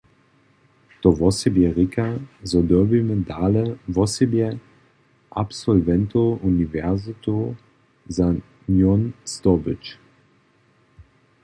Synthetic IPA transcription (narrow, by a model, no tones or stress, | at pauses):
t̪ɔvɔsɛbjɛʁikʰazɔd̪əbimɛd̪aːlɛvɔsɛbjɛ | ʔapsɔlvɛnt̪oʔunivɛʁzɪt̪o | za | njɔnst̪ɔbɪt͡ʃ